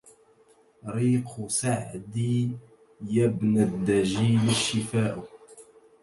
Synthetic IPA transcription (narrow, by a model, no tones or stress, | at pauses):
ɾiːqʰʊsaʕd̪i | jabnad̪ːaʒiːlaʃːɪfaːʔʊ